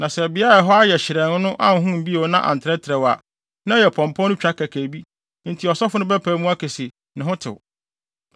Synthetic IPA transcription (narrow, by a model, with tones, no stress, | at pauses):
nã˨sɛ˨bɪ˨˦a˦ɾa˨ɦɔ˦a˦jɛ˨ɕɪ˨ɾɛ̃˨nʊ˦nʊ̃˦ʔã˦ŋ˨ɦũ˦m̩˨bi˦o˨˦nã˦ʔã̰˨ntʰɪ˨ɾɛ˦tʰɪ˨ɾɛ˨wa˨ | nã˦jɛ˨pʰɔ̃˨mpʰɔ̃˦nʊ̃˦t͡ɕᶣa˦kʰæ˨kʰæ˨bi˦ | n̩˨tʰi˨ɔ˨sɔ˦fʊ˦nʊ̃˦bæ˦pʰæː˨˦mũ˦a˦kʰɛ˨se˨ | nɪ̃˨ɦʊ̃˦tʰɪ̰˨w